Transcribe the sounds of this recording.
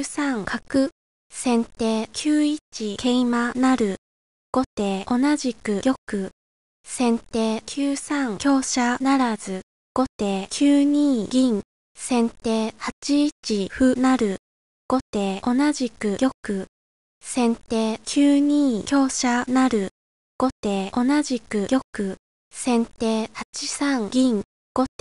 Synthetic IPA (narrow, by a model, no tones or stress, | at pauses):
sãŋkʰakɯ̟ | sẽ̞nt̪e̞ːkʲʰɨːit͡ɕikʰe̞imanaɾɯ̟ | ɡ̥o̞t̪e̞ːo̞naʑikɯ̟jʲo̞kɯ̟ | sẽ̞nt̪eːkʲʰɨːsãŋkʲo̞ːɕanaɾazɨ | ɡ̥o̞t̪e̞ːkʲʰɨːɲ̟iːɡʲĩŋ | sẽ̞nt̪e̞ːhat͡ɕiːt͡ɕiɸɯ̟naɾɯ̟ | ɡ̥o̞t̪eːo̞naʑikɯ̟jʲo̞kɯ̟ | sẽ̞nt̪e̞ːkʲʰɨːɲ̟ĩːkʲo̞ːɕanaɾɯ̟ | ɡ̥o̞t̪eːo̞naʑikɯ̟ɡʲjʲo̞kɯ̟ | sẽ̞nt̪e̞ːhat͡ɕi̥sãŋɡʲĩŋ | ɡ̥o̞t̪ː